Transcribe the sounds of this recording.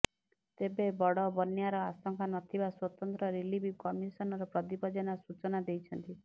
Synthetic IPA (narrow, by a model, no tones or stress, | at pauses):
t̪ebebɔɽɔbɔnjaɾɔasɔŋkʰanɔt̪ʰibaswɔt̪ɔnt̪ɾɔɾilibikɔmisɔnɔɾɔpɾɔd̪ibɔd͡ʒɔnasut͡ʃɔnad̪ejt͡ʃʰɔnt̪i